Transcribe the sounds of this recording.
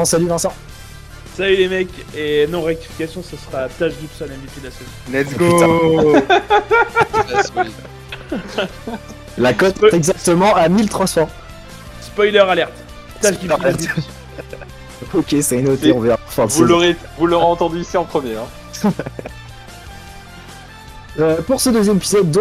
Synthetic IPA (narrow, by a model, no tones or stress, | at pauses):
ɔ̃salyvɛ̃sɑ̃ | salylemɛkʲenɔ̃ʁek̚t̪i̥fi̥kʲasjɔ̃səsəʁat̪aʒd̪it̪u̥sanɛ̃bit̪yd̪lasəvinɛt̪ɡo | lakɔt̪ɛɡzak̚t̪əmɑ̃amilt̪χɑ̃spɔʁ | spɔjlœʁalɛʁt̪ | t̪aʒd̪iaɛd̪ | ɔkʲesɛinot̪eɔ̃vɛʁapaʁfwavuoʁe | vulːoʁeɑ̃t̪ɑ̃d̪yːsiɑ̃pχəmjeɛ̃ | øpuʁsəd̪əzjɛmepizɔd̪ː